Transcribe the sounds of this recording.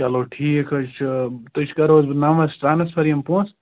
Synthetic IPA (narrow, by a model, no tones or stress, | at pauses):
t͡ʃɐloːʈʰiːkɐt͡ʃʰt̪ut͡ʃʰkɐɾoːzbnɐmɐsʈɾaːnɐspʰɐɾijɐmpõːs